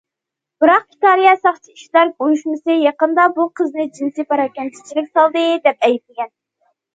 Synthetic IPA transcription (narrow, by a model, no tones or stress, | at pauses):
b̥ɨɾɑq̚ɡʲi̥t̪ɑɾijɑsɑχt͡ʃʰiiʃlæɾɡojuʃmɨsɨjɑqənd̪ɑbuqʰəznɨd͡ʒinsɨpʰɑɾɑkʲɛnt͡ʃ̪ʰi̥t͡ʃʰilɪkʲsɑlˠd̪ɨd̪ɛp̚ɛjt̪̚lɪɡʲɛn